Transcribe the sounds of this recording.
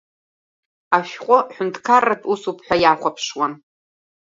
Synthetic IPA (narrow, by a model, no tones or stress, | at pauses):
aʃᶣqʷʼʊħʷᶣʊntʰkʰaratʼusupʰħʷᶣajaχʷapʰʂwan